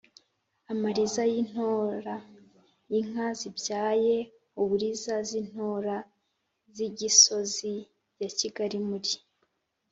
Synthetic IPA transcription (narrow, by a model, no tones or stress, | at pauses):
amaɾizajin̥hoɾa | jiŋazibjaːje̞ | uβuɾizazin̥hoɾa | ziɟiso̞zi | jaciɡaɾimuɾi